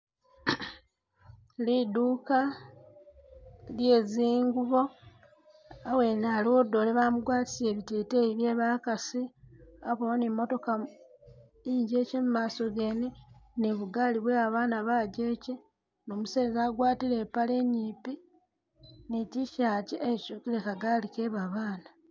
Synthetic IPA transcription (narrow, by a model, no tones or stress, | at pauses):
liduːka | lje̞ːziːŋɡuβo̞ | awe̞ːnaːliwodːo̞leβamuɡwaːti̥seːβititeiβje̞ːβaːkasiaβonemːo̞to̞ka | iɲɟe̞ːceːmumaːso̞ɡeːneneβuɡaliβweaβaːnaβaːɟe̞ːce | no̞ːmuseːzaːɡwaːtile̞ːpale̞ɲːiːpi | neciʃaːceecuːkilekaɡaːlike̞βaβaːna